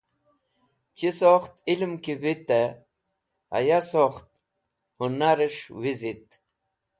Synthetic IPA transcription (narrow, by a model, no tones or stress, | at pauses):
t͡ɕisoxt̪ilmkiwit̪e | ɐ̰jasoxt̪̚ | hunaɾeʂwizit̪